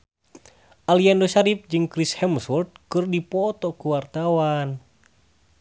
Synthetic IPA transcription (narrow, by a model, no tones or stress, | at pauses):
ʔaliandoʃaɾip̚d͡ʒɨŋkɾishɛmsult̪̚kɨrdipɔt̪ɔkuwart̪awan